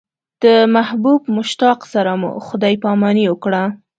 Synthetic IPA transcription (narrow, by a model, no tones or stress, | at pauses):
d̪̥əmahbubmʊʃt̪ɑqsaɾamṵxʊd̪ɑjpɑmɑniwəkɽa